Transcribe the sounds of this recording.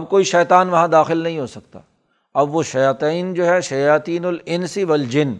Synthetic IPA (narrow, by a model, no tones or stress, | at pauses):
ɐbkoːiʃɛːt̪aːnʋɐɦãd̪aːxɪlnɐɦĩɦoːsɐk̚t̪a̰ː | ɐbʋoʃɐjaːt̪iːnd͡ʒoːɦɛʃɐjaːt̪iːnʊlɪnsiʋɐld͡ʒɪn